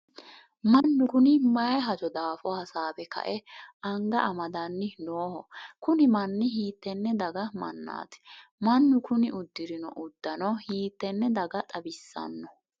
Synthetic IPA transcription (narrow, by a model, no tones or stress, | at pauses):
mɐnːʊkʊnɪmɐjɦɐd͡ʒɔd̪aːfɔhɐsaːbɛkɐ̰ʔɛʔɐŋɡɐʔɐmɐd̪ɐnːɪnoːhɔkʊnɪmɐnːɪhiːt̪ːɛnːɛd̪ɐɡɐmɐ̰nːa̰ːt̪ɛ̥mɐnːʊkʊnɪʔʊd̪ːɪɾɪnɔ̰ʔʊd̪ːɐnɔhiːt̪ːɛnːɛd̪ɐɡɐt̪ʼɐbɪsːɐ̰nːɔ